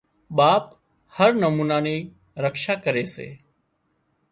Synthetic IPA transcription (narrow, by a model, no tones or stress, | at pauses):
ɓaːp | həɾnəmuːnaːneː | ɾəkʃaːkəɾeːsḛː